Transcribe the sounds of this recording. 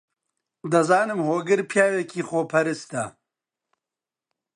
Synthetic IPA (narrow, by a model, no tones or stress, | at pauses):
d̪ɐzaːnɨmhoːɡɨɾpʰjaːwekiːxoːpʰɐɾɨst̪ɐ